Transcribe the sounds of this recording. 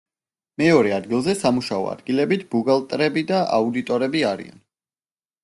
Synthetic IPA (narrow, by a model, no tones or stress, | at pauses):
mɛɔɾɛad̪̚ɡilˠzɛsamuʃaɔ̰a̰d̪ɡilɛbit̪ʰbuɡalˠt̪ʼɾɛbid̪aʔa̰ud̪it̪ʼɔɾɛbiaɾḭa̰n